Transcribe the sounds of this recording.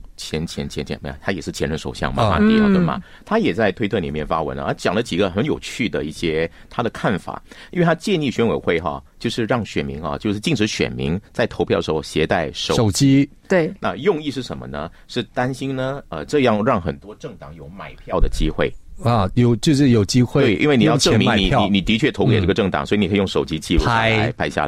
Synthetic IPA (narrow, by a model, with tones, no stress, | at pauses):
t͡ɕʰjɛ˧˥nt͡ɕʰjɛ˧˥nt͡ɕʰjɛ˧˥nt͡ɕʰɛ̰˧˥nm˧˥˩t̪ʰa˥jɛ˨˩ʂɻ̩˥˩t͡ɕʰjɛ˧˥ɻə˧˥nʂo˨˩ʊɕjɑ̰˥˩ŋmɐ̰˨˩a̰˥˧jɑ˨˩ʊd̪ə˧˩mɐ̰˩ | t̪ʰa˥jɛ˨˩t͡sa˥˧ɪt̪ʰwe˥ɪt̪ʰɤ˥˩lḭ˨˩mjɛ˥˩nfa˥wə̰˧˥nlə̰˧˥t͡ɕjɑ˨˩ŋlə˦t͡ɕi˨˩ɡə˦xə˧˥njo˨˩ʊt͡ɕʰy˥˩d̪ə˩i˥˩ɕjɛ˥ | t̪ʰa˥d̪ə˨kʰa˥˩nfa̰˨˩˦ji˥n˥e˥˧˩t̪ʰa˥t͡ɕjɛ˥˧ni˥˩ɕɥɛ˥nwe˨˩ɪxwe˥˩ɪxɐ̰˧t͡ɕjo˥˧ʊʂɻ̩˥˧ɻɑ˥˩ŋɕɥɛ̰˨˩nmi˧˥ŋxɐ̰˧t͡ɕjo˥˧ʊʂɻ̩˥˩t͡ɕi˥˩ŋʈ͡ʂɻ̩˧˥ɕɥɛ̰˨˩nmḭ˧˥ŋt͡sa˥˩ɪt̪ʰo˧˥ʊpʰjɑ˥˩əʂxo˥˧ʊɕjɛ˧˥t̪a˥˩ɪʂo˨˩ʂo˨˩ʊt͡ɕi˥ | t̪we˥˩na˥˧jʊ˥˧ŋi˥˧ʂɻ̩˥˩ʂə˧˥mə̰˧nə̰˧ | ʂɻ̩˥˩t̪a˥nɕi˥nnə˧ə˧ʈ͡ʂɤ˥˧jɑ˥˩ŋɻɑ˥˩ŋxə̰˨˩nt̪wɔ˥ʈ͡ʂɤ˥˩ŋt̪ɑ˨˩˦ŋjo˧˩ʊma˨˩ɪpʰjɑ˥˩ʊd̪ə˩t͡ɕi˥xwe˥˩ɪ˨˩jo˨˩ʊt͡ɕjo˥˧ʊʂɻ̩˥˩jo˨˩ʊt͡ɕi˥xwe˥e˩˥˩ʔḭ˥nwe˥˩ni˨˩˥jʊʈ͡ʂɤ˥˧mi˧˩i˧˥i˧˩ni˨˩t̪i˧˥t͡ɕʰɥɛ˥˩t̪ʰo˧˥ʊke˨ɪkʈ͡ʂɤ˥˩ɡə˩ʈ͡ʂɤ˥˩ŋt̪ɑ̰˨˩ŋswɔ˧˥i˧˥n˨kʰjʊ˥˧ʂo˨˩ʊt͡ɕi˥t͡ɕi˥˧ɻu˥˧˥a˧ɪpʰa˥ɪɕja̰˥˧˩